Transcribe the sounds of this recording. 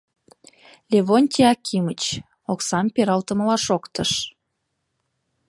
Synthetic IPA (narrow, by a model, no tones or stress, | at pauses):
lʲeβonʲt̪ʲiɑkʲʰimət͡ɕ | oksɑmpeɾɑlt̪əməlɑʃokt̪əʃ